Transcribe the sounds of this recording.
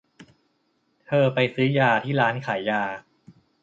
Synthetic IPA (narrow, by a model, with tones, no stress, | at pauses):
t̪ʰɤː˧pa˧jsɯː˦˥jaː˧t̪ʰiː˥˩ɾaː˦˥nkʰaː˩˦jːaː˧